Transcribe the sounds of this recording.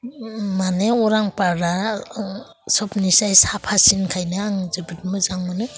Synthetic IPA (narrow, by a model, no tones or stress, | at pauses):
maneɔɾaŋpaɾa | sɔpnisajsapʰasinkʰajnɯaŋzɯbɯt̚mɯzaŋmɯnɯ